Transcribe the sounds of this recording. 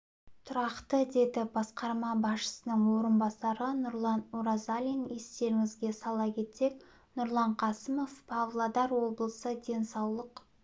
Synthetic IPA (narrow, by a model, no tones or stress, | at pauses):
t̪ʰʊɾɑqt̪əd̪e̞d̪ɪbɑsqɑɾmɑbɑsʃə̥sənəɴwo̞ɾənbɑsɑɾənʊɾlˠɑnuɾazalʲinje̞st̪e̞ɾɪŋɪzɡʲe̞sɑlˠɑkʲʰe̞t̪se̞k̚ | nʊɾlˠɑɴqʰɑsəmo̞fpʰavlˠad̪ɑɾwo̞blˠəsəd̪e̞nsɑwlˠəq